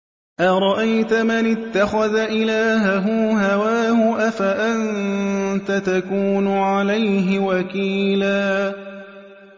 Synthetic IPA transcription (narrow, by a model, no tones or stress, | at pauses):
ʔaɾˤɑʔajt̪amanɪt̪ːaxaðaʔɪlaːɦaɦʊɦhawaːhʊʔafaʔant̪at̪akuːnʊʕalajɦɪwakiːlaː